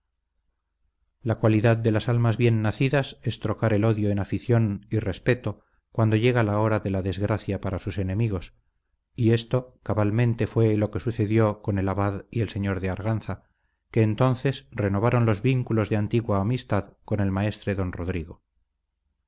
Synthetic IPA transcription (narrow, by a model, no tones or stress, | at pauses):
lakwaliðaðd̪e̞lasalmazβje̞nːaθiðase̞st̪ɾo̞kaɾe̞lo̞ðjo̞enafiθjo̞nire̞spe̞t̪o̞ | kwand̪oʝe̞ɣ̞alao̞ɾaðe̞laðe̞zɣɾaθjapaɾasuse̞nẽ̞miɣ̞o̞s | ie̞st̪o̞kaβalmẽ̞nt̪e̞fwe̞lo̞ke̞suθe̞ðjo̞ko̞ne̞laβaðie̞lse̞ɲo̞ɾðeaɾɣ̞an̟θa | ke̞ːnt̪o̞nθe̞sreno̞β̞aɾo̞nlo̞zβiŋkulo̞zðe̞ant̪iɣwaːmist̪aðko̞ne̞lmae̞st̪ɾeðo̞nro̞ðɾiɣo̞